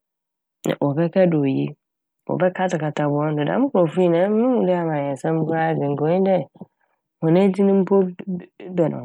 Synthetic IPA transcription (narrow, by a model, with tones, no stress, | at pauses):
nã̰˨ʔɔ˨bɛ˦kʰɛ˦dɪ˨o˨jḭ˦ | wɔ̰˨bɛ˦kʰa˦tɪ˨ka˨tʰa˨bʊ˦ɔ̃˦n˦dʊ˨dã̰˨˦mʊ̃˦kʊ˨ɔ˨fu˦i˦˨nã˨˦ɪ̃˦mʊ̃˨˦dɪ˦a˨mã˨ɲ˨ɛ˨sã˦m˦ba˦˨ɡɪ˨ŋ̩˨ko˨˦ɲɪ̃˦dɛ˦˨ | hɔ̃˨nɛ̃˦di˦nʊ̃˦m̩˦pʰo˦bɛ˨nʔʊ̰̃˨